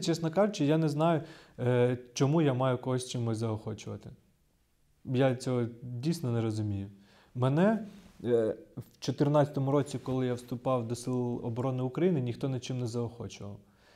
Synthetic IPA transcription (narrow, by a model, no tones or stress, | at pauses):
t͡ʃɛsnɔkɑʒʊt͡ʃɪjanɛznɑjʊ | t͡ʃɔmujamɑjʊkɔɦɔsʲt͡ʃɪmːɪzɐɔxɔt͡ʃʊʋɐ̰t̪ɪ̥ | jat͡sʲɔɦɔdʲijsʲnɔnɛɾɔzʊmʲijʊ | mɛnɛ | wt͡ʃɔt̪ɪrnɑt͡sʲɐ̥t̪ɔmʊɾɔt͡sʲikɔlˠɪjawst̪ʊpɑwd̪ɔsɪlˠɔ̰bɔɾɔnɪʊkɾɐjinɪnʲixt̪ɔnɪt͡ʃɪmnɛzɐɔxɔt͡ʃʊʋɐ̰w